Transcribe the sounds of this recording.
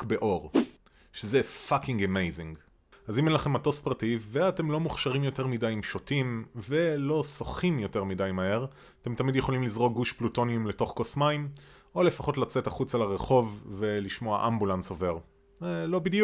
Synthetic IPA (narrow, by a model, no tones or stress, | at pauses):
kbeʔo̞ʁ | ʃezefakiŋɡemejzĩŋɡ | azimɛnlaχe̞mato̞spaʁtivveate̞mlo̞muχʃaʁimjo̞te̞ʁmidajimʃotimve̞lo̞soχimjo̞te̞ʁmidajmahe̞ʁ | ate̞mtamidjeχolimlizʁo̞ɡuʃpluto̞niumleto̞χkosmaim | o̞le̞faχo̞tlat͡setaχut͡salaʁeχo̞vːe̞liʃmo̞aʔambulansove̞ʁ | zelobidju